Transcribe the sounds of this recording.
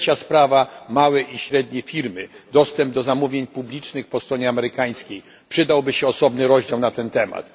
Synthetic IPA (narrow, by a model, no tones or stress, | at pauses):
t͡ɕaspɾavamawɛʔiɕɾɛd̪ɲɛfʲiɾmɘd̪ɔst̪ɛmb̚d̪ɔzamuvʲjeɲpublʲit͡ʂnɘxpɔst̪ɾɔɲɛamɛɾɘkaj̃skʲej | pʂɘd̪awbɘɕɛɔsɔbnɘɾɔʑd͡ʑawnat̪ɛnt̪ɛma̰t̪